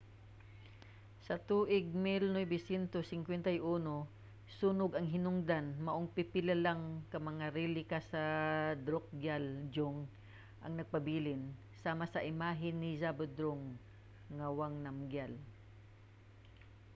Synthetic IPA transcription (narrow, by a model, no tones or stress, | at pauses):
sɐt̪uːʔɪɡ̚mɪlnojbɪsjɛnt̪osɪŋkwɛnt̪ɐjʔuːno | suːnoɡɐŋɦɪnʊŋd̪anmɐʔoŋpɪpɪlalaŋkɐmɐŋaɾilɪkasɐd̪ɾok̚ɡjald͡ʒʊŋ | ʔɐ̰ŋnɐɡ̚pɐbiːlɪn | saːmasɐʔɪmaːɦɪnːɪzabod̪ɾoŋː | awaŋnamɡjal